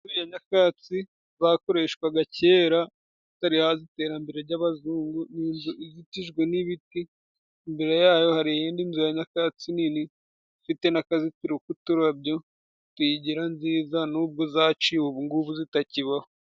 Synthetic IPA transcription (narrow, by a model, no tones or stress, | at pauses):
zuijaɲakat͡si | zako̞ɾe̞ʃkwaɡaceːɾa | itaɾihazite̞ːɾambeɾeɾɟaβazuːŋɡuniːnzuʔizitiʒɡweniβitiː | mbeɾe̞jaːjo̞haɾijeːndinzujaɲakat͡siniːni | fite̞nakazitiɾukutuɾabjo̞ | twiɟiɾanziːzanuːb̚ɡo̞zat͡ʃiwuβuŋɡuβuzitaciβaho